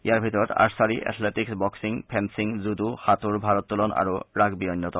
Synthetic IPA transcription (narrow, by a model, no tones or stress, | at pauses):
ḭjaɹbʱit̪ɔɹɔt̪a̰ɹsaɹiʔɛ̰t̪ʰleʈiksbɔksiŋpʰɛmsiŋzud̪uhat̪uɹbʱaɹɔt̪ːulɔna̰ɹuɹaɡbiɔnːɔt̪ɔ